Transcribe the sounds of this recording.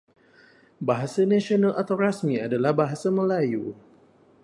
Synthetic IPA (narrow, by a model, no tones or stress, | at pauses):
baɦasanãsionalʔat̪awrasmiadalahbaɦasamə̃laju